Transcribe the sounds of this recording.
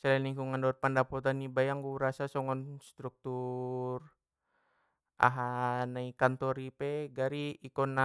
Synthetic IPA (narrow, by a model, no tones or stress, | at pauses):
salaniŋkuŋandɔt̪̚pandapɔt̪anibajaŋɡuɾasasɔŋɔnst̪ɾuk̚t̪ur | ʔa̰ɦanaikant̪ɔɾipeɡaɾiːkɔna